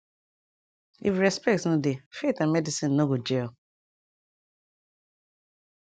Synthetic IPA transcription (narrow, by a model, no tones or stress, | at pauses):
ḭfɾɛspɛk̚tsnodefetãnmɛdisĩnːoɡod͡ʒeɔ